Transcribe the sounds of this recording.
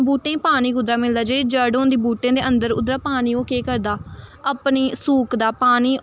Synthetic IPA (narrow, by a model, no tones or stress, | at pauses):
buːʈẽːpaːniːkʊd̪ɾaːmɪld̪aːd͡ʒeːɽiːd͡ʒəɖoːnd̪iːbuːʈẽːd̪eːʔənd̪əɾʊ̰d̪ɾaːpaːniːoːkeːkəɾd̪aːəpniːsuːkd̪aːpaːniː